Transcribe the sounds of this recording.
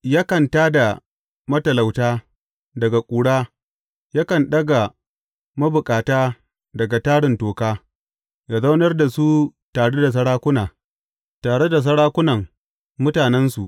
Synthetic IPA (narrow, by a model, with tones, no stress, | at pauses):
jaː˦kɐ˨ntaː˦da˨ | mɐ˦tɐ˨la˨wtaː˦ | dɐ˨ɡa˨kʷʼuː˨ɽaː˦ | ja˦kɐ˨nɗɐ˦ɡa˨ | mɐ˦bʊ˨kʼaː˨taː˦ | dɐ˨ɡa˨taː˦ɽɪ˨ntoː˨kaː˦ | ja˨za˦wnɐ˦rda˨su˦taː˨ɽe˦da˨s̬ɐ˦ɽaː˦kʷʊ˦naː˨ | taː˨ɽe˦da˨s̬ɐ˦ɽaː˦kʷʊ˦nɐ˨ŋ | mʊ˦taː˨nɛ˦nsu˨ʔ